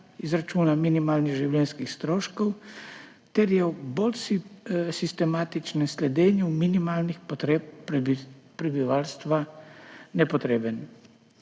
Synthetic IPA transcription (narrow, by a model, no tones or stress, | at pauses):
izɾat͡ʃuːnaminimaːlniɣʒiwljɛnskixst̪ɾoːʃkɔw | t̪ɛɾjɛwbolsisist̪ɛmaːt̪it͡ʃnɛslɛd̪eːnjuminimaːlnixpɔt̪ɾep̚ | pɾɛbiʋaːlst̪ʋa | nɛpɔt̪ɾeːbən